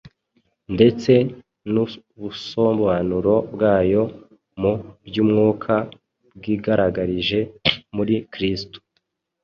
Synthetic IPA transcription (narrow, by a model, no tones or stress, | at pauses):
nde̞t͡se̞ | nu | βusoːmboβanuɾo̞bɡaːjo̞ | mubjuːmŋuːkʰa | bɡiːɡaɾaɡaɾiʒe̞muɾikɾistu̥